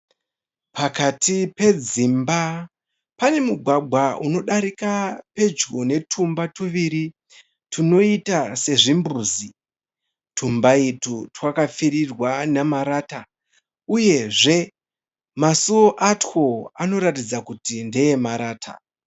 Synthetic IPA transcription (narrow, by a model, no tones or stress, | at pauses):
pakatipe̞d͡zimba | pane̞muɡʱwaɡʱwauno̞ɗaɾikape̞d͡ʒɡone̞tʰumbatuʋiɾi | tʰino̞itase̞ʐimbuzi | tʰumbaitutwakafiɾirwanamaɾaːta | uje̞ʐe̞ | masuoʔatxo̞ano̞ɾatid͡zakutindejemaɾaːtʰa̰